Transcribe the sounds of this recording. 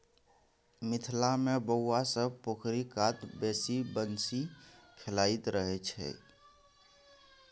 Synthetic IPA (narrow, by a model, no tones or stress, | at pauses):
mɪt̪ʰlamebəwwasəb̚pokʰɾikat̪besibənsikʰelait̪ɾəɦɛt͡ʃʰɛ̰